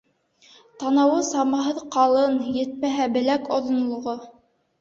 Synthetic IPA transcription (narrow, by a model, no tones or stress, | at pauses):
t̪ɑnɑwɤsɑmɑɦɤðqɑlˠɤnjɘ̆t̪̚mæɦæbɘ̆lækŏðŏnlˠŏʁo